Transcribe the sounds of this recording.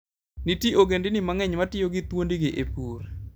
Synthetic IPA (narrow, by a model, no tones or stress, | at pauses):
nitiʔoɡendinimaŋɛɲmatɪjoɡɪt̪wondiɡeʔepuːɾ